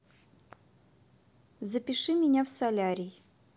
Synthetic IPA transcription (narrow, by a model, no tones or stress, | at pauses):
zəpʲɪʂɨmʲɪnʲafsɐlʲaɾʲɪj